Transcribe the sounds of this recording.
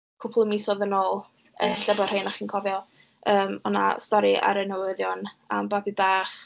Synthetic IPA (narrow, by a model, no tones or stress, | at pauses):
kʰʊpʰlˠəmisɔðənoːlˠ | əɬəbɔr̥henaχiːnkʰɔvjɔ | əːmɔna̰stɔɾiʔa̰ɾənəwəðjɔna̰mbabibaːχ